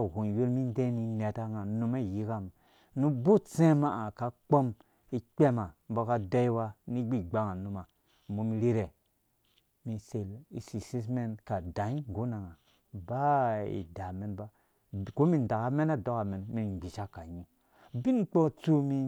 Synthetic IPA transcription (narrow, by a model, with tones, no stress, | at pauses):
ɡu˨n˨jo˦lmi˦n˦de˦ni˦ne˨ta˦ŋa˨nu˦ma˦˨ji˦ka˦m | nu˦bo˦t͡sẽ˦ma˦˨ʔa˨ka˨˦k͡po˦m | i˦k͡pe˦ma˨m˨bo˦ka˦da˦i˦wa˦ni˦ɡ͡bi˦ɡ͡ba˦ŋa˨nu˦ma˨˦ | bo˨˦mi˦ɾe˦ɾe˨ | mi˧se˨li˨si˨si˦s̬me˦nka˨da˨i˦˨ɡo˦na˨ŋa˨ | ba˦ḭ˨da˨me˦nba˦ | ko˦mi˨n˨da˨ka˦me˦na˦do˦ka˨me˨nmi˦n˨ɡ͡bi˨t͡ʃa˦ka˨ɲu˦ | bi˦nk͡po˦t͡su˦mi˧